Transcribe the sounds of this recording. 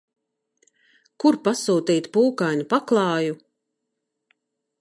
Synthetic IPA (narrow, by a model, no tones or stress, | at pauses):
kuɾpasuːt̪iːt̪puːkajnupaklˠɑːju